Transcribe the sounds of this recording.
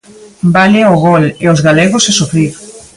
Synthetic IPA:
baleoɣoleozɣaleɣosesofɾiɾ

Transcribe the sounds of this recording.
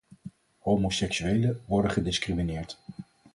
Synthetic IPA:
howmosɛksyejləʋɔɹdəχədɪskriminɪːɹt

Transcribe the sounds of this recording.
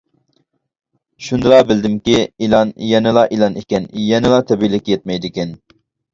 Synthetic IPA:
ʃund̪ɑbɪld̪ɪmkʲiilˠɑnjɛnɪlˠɑʔilˠɑnikʲɛnjɛnɪlˠɑt̪ʰɛbilɪkʲjɛt̪̚mɛjd̪ɪkʲɛn

